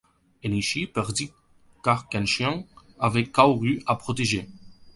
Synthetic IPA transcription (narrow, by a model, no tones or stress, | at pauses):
eniʃipɛʁd̪i | kaʁkɛ̃nʃjɛ̃ŋ | avɛkːawʁyʔapχɔt̪eʒe